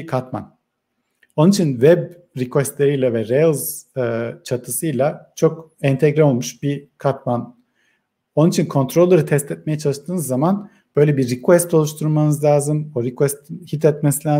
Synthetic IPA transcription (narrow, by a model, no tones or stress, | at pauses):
kʰat̪ma̰n | o̞nunit͡ʃʰinvɛb | ɾikvɛst̪lʲeɾijlʲɛvɛɾelˠz | t͡ʃʰat̪ʰɯsɯjlˠat͡ʃʰo̞kɛnt̪ʰɛɡɾɛo̞lˠmuʃbikʰat̪man | o̞nnit͡ʃʰinkʰo̞nt̪ʰɾolˠːaɾɯt̪ʰɛst̪ʰɛt̪̚mejɛt͡ʃʰalˠɯʃt̪ʰɯːnɯzːaman | b̥ø̞jlʲɛbiːikvɛst̪olˠuʃt̪ʰuɾmanɯzlʲaːzɯmoɾikvɛst̪ʰinhit̪ʰɛt̪̚mesilʲaː